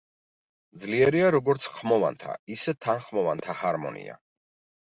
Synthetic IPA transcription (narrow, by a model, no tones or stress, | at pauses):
d̪zliɛɾiaɾɔɡɔɾt̪sʰχmɔva̰nt̪ʰa̰isɛt̪ʰanχmɔvant̪ʰahaɾmɔ̰nḭa̰